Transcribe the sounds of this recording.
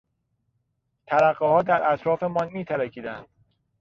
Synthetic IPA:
t̪ʰæɾæɢehɒːd̪æɾʔæt̪ɾɒːfe̞mɒnmiːt̪ʰæɾæcʰiːd̪ænd̪̥

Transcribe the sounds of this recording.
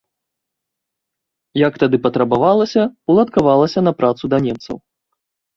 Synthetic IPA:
jɐkt̪ad̪ɨpɐt̪ɾɐbavalˠɐsʲɐulˠɐt̪kavalˠɐsʲɐnɐpɾʔat̪sud̪ɐnʲɛmt̪sɐ̰w

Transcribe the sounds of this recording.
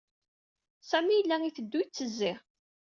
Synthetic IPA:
sæmijəlːæŋiθəd̪ːujt͡sːəzːɪʁ

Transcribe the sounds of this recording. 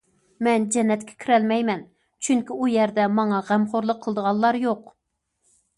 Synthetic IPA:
mɛnd͡ʒɛnːɛt̪kʲʰɛ̥kʲʰiɾɛlmɛjmɛn | t͡ʃʰyŋkʲiujɛɾd̪ɛmɑŋɑʁæmχoɾlˠəqʰːəlˠəd̪əʁɑlˠːɑɾjoq

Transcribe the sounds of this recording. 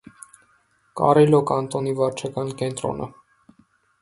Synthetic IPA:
kɑ̰ɾilɔkɑnt̪ɔnivɑɾt͡ʃʰɑkɑnkɛnt̪ɾɔ̰nə̰

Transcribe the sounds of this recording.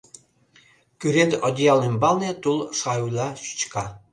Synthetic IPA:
kʲyɾed̪od̪ʲijɑlˠembɑlˠnʲet̪ulˠʂɑjulʲˠɑɕy̥t͡ɕkɑ

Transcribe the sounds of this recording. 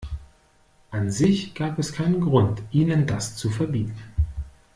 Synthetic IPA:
ʔanzɪçɡ̥aːpɛskʰaɪnənɡʁʊntʔiːnəndast͡sufɛɐbiːtn̩

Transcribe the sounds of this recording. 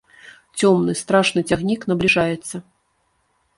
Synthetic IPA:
t͡sʲɔmnɨst̪ɾaʂnɨt͡sʲaɣnʲiknɐblʲiʐajɛt̪sːɐ

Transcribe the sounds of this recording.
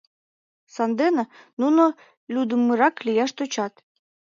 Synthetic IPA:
sɑnd̪enĕnuno | lʲud̪əmːɨɾɑklijɑʃt̪ot͡ɕɑt̪

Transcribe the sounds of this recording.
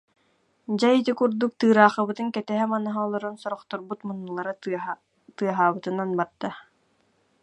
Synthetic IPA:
d͡ʑajit̪ikuɾd̪uk̚t̪ɯːɾaːχɯbɯt̪ɯŋkɛt̪ɛɦɛmanaɦaɔlˠɔɾɔnsɔɾɔχt̪ɔɾbut̪munːulˠaɾa | t̪ɯɐɦaːbɯt̪ɯnanbaɾd̪̥a

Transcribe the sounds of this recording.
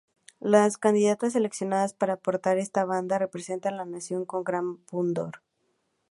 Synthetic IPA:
laskand̪iðat̪as̬e̞le̞ksjo̞naðaspaɾaːpo̞ɾt̪aɾe̞st̪aβ̞and̪are̞pɾe̞se̞nt̪anlanasjo̞ŋko̞ŋɡɾampund̪o̞ɾ

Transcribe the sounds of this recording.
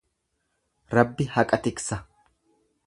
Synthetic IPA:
ɾɐbːɪhɐkʼɐt̪ɪksɐ

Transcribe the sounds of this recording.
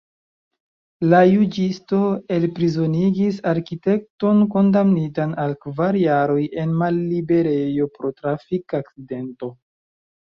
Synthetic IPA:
lajud͡ʒisto̞e̞lpɾizo̞niɡisaɾkite̞k̚to̞nko̞ndamnitanalkvaɾjaɾo̞je̞nmalːibe̞ɾe̞jo̞pɾo̞tɾafikak̚t͡side̞nto̞

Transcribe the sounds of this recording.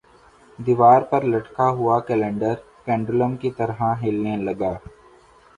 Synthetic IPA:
d̪iʋaːɾpɐɾlɐʈkaɦʊakɛːlɛ̃ːɳɖəɾ | kɛ̃ːɳɖɾʊləmkit̪ɐɾɦãɦeːlnelɐɡaː

